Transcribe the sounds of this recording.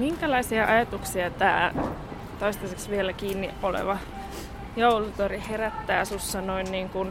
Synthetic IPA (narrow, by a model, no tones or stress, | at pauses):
miŋkælɑisiɑʔɑjɑt̪uksiɑt̪æː | t̪oist̪ɑseksʋielækiːnːiʔʔolḛʋɑ | joulut̪oriheræt̪ːæːsusːɑnoinniːŋkun